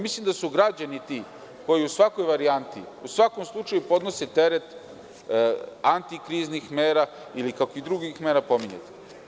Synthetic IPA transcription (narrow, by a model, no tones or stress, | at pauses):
mislˠimd̪asuɡɾad͡ʑanit̪i | ko̞jiusʋako̞jʋaɾiant̪ḭ | usʋako̞mslˠut͡ʃajupo̞d̪no̞set̪e̞ɾet̪ | ant̪ikɾiznixmeːɾa | ilikakoid̪ɾuɡixmeɾapo̞miɲḛt̪e̥